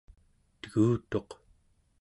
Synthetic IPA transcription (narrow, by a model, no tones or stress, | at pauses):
t̪əɣuːt̪o̞q